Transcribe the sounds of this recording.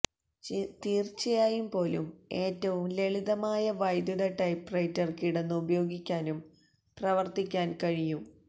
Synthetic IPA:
t̪iːrt͡ɕːɐjaːjumpo̞ːlume̞ːtːɐʋumle̞ɭiðɐmaːjɐʋɐjd̪uɽeʈɐjpːrɐjtːɐrkiɽenːɨubɐjo̞ːɡikʲːaːnum | prɐʋɐrt̪ikʲːaːnkɐɻijum

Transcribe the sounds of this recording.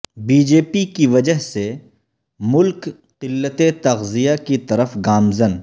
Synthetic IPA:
biːd͡ʒeːpikiʋɐd͡ʒəɦse | mʊlk | qɪlːət̪et̪ɐɣzijakit̪ɐɾəfɡaːmzən

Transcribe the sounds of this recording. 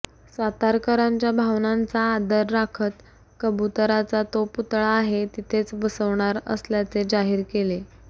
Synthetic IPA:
sʋat̪aɾkəɾaɲt͡ɕjabʱaʋnant͡saːd̪əɾːakʰət̪ | kəbut̪əɾat͡sat̪oput̪ɭaːɦet̪it̪ʰet͡sbəsəʋɳ̃aɾə̰sljat͡sed͡zaɦiːɾkele

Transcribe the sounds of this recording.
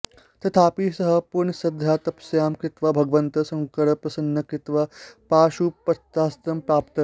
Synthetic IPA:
t̪ɐt̪ʰaːpiːsɐɦɐ̆puɾɳɐsɐd̪ʱjaːt̪ɐpsjaːmkɾɪt̪ʋabʱɐɡʋɐnt̪ɐsɐŋkɐɽɐpɾɐsɐnːɐkɾit̪ʋɐpaːʃuːpːɐt̪ːaːst̪ɾɐmpɾaːpt̪ɐ

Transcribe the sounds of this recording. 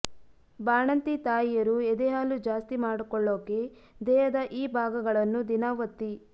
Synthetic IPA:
baːɳɐnt̪it̪aːjijɐɾued̪ɛɦaːlud͡ʒaːst̪imaːɽukɔɭːoːkːe̞ | d̪ɛːɦɐd̪ɐʔiːbʱaːɡɐɡɐɭɐnːud̪inaːʋɐt̪ːi

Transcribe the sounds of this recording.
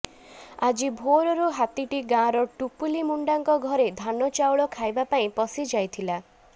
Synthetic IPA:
ad͡ʒibʱoɾɔɾuɦat̪iʈiɡãɾɔʈupulimuɳɖaŋkɔɡʱɔɾed̪ʱanɔt͡ʃawɭɔkʰajbapaĩpɔsid͡ʒajt̪ʰila

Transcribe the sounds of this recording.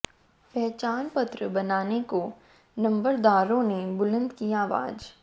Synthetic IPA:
pɛɦt͡ʃaːnpɐt̪ɾəbɐnaːneko | nɐ̃mbəɾd̪aːɾõnebʊlə̃nd̪kiaːʋa̰ːd͡ʒ

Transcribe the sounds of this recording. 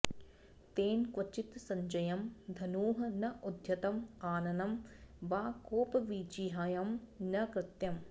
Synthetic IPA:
t̪eːnkʋɐt͡ʃit̪sɐɲd͡ʒɐjɐmd̪ʱɐnuːɦɐnɐʔud̪ʱjɐt̪ɐmaːnɐnɐmʋaːkoːpɐʋiːd͡ʒiːɦaːjɐmnɐkɾɪt̪jɐm

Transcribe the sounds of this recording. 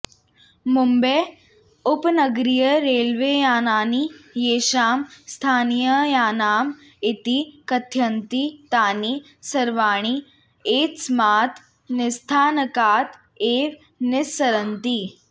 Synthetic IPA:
mumbeː | ʊpnɐɡɾijəɾeːlʋeːjaːnaːnijeːʃaːmst̪ʰaːnijəjaːnaːm | ɪt̪ikɐt̪ʰjɐnt̪it̪aːniː | sɐɾʋaːɽ̃i | eːsmaːt̪ʰ | nɪst̪ʰaːnəkaːt̪ | eːʋ | nɪsɐɾənt̪i

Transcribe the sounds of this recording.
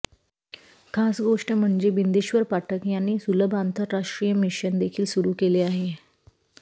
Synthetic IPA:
kʰasɡoʂʈəm̤əɳd͡ʑebind̪iɕʋəɾpaʈʰəkjanːiːsuləbʱant̪əɾːaʂʈɾijəmiɕənd̪ekʰiːlsuɾuːkeleaɦe

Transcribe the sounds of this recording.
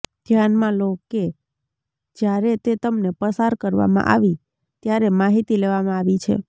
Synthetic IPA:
d̪̥ʱjanmãloke | d͡ʒjaɾet̪et̪əmnepəsaɾkəɾʋa̰mã̰ʔa̰ʋi | t̪jaɾemaɦit̪ileʋamãaʋit͡ʃʰḛ

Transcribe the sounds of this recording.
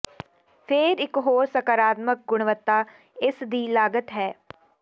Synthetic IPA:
pʰɪɾɪkɦoːɾsəkəɾaːt̪mək̚ɡʊɽ̃ʋət̪ːaː | ɪsd̪iːlaːɡət̪ɦɛː

